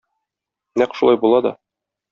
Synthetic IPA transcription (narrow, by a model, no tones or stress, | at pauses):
næqʃulˠɑjbulˠɑd̪ɒ̰